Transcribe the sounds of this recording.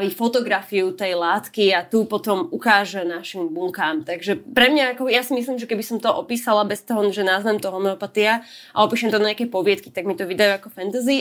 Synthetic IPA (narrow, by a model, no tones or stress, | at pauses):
ʋifɔt̪ɔɡɾafiut̪ɛjlaːt̪kiat̪upɔt̪ɔmukaːʒɛnaʃimbuŋkaːmt̪aɡʒɛpɾɛmɲaakɔjasimis̬liːmʒɛkɛbisɔmt̪ɔʔɔpiːsalabɛst̪ɔɦɔʒɛnaːzʋɛmt̪ɔɦɔmɛɔpat̪iaʔa̰ɔpiːʃɛmt̪ɔnaɲɪakɛpɔʋɪɛt̪ki̥t̪aɡmit̪ɔʋid̪ajuakɔfɛnt̪ɛzi